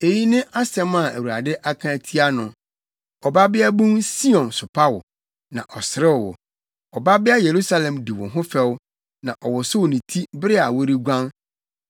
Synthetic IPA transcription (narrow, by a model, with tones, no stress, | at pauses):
e˨ji˦nɪ̃˦ʔa˦sɛ̃˦ma˨æ˨wu˨ɾa̰˨dɪ˦ʔa˦kʰã˦˨tʰi˦a˦nʊ̃˨ | ɔ˨ba˦bɪ˦a˦bũ˦nsi˦ɔ̃˨nsʊ˨pʰa˦wʊ˨ | nã˨ʔɔ˨sɪ˨ɾɪ˦wwʊ̰˨ | ɔ˨ba˦bɪ˦a˦je˨ɾu˦sa˦lɛ̃˨mdi˨wʊ̃˨ɦʊ̃˦fɛ˦w | nã˨ʔɔ˨wʊ˨sʊ˦wnĩ˨tʰi˦bɾɪ˦a˨wo˦ɾi˦ɡʷã˦n